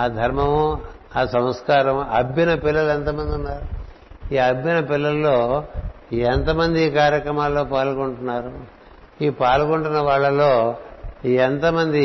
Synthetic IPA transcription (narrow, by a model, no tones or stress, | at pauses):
aːd̪ʱɐɾmɐmu | aːsɐmɐskaːɾɐmɐbjinɐpilːɐluent̪ɐmɐnd̪unːaːɾu | iːɐbjinɐpilːɐlːo̞ː | ent̪ɐmɐnd̪iːkaːɾjɐkɾɐmaːlːo̞ːpaːlkoɳʈunːaːɾu | iːpaːlkoɳʈunːɐʋaːɭːɐlo̞ː | ent̪ɐmɐnd̪i